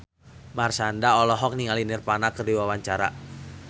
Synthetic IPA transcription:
marsandaɔlɔɦɔk̚niŋalinirpanakərdiwawaɲt͡ʃaɾa̰

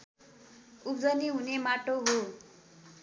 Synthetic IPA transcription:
up̚d͡zʌniɦunemaʈoɦo

